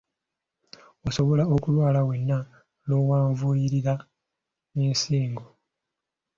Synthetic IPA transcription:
oso̞βo̞lao̞kulwaːlawe̞nːa | noːwaːɱvujiɾiɾa | ensiːŋɡo

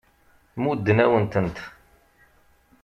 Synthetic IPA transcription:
mud̪ːənæwənt̪ənt̪

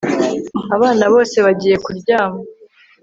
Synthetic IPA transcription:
aβaːnaβo̞ːse̞βaɟiːje̞kuɾɟaːma

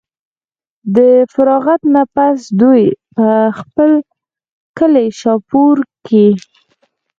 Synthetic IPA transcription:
d̪əfaɾɑɣat̪napasd̪ujpəxpəl | kəleʃɑpuɾke

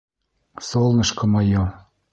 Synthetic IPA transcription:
solnə̆ʃkɤ̆mɑjo

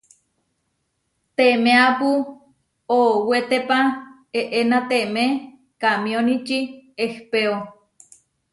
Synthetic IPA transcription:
t̪emeapu | owet̪epa | eʔenat̪eme | kamionit͡ʃiehpeo

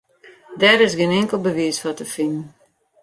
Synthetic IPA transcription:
dɛɾɪsɡɪnɪŋkəlˠbəʋiəsfɔtəfɪnn̩

